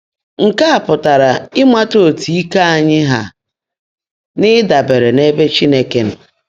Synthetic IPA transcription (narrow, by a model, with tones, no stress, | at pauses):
ŋ̩˨ka˦a˨pʊ˨ta˨ɾa˨ɪ˦mʷa˦to˦˨tʰi˨i˦ka˦a˨ɲɪ˦ɦa˨ | nɪ˦da˨be˨ɾe˨ne˦be˦t͡ʃi˦ne˦ke˨n̩˦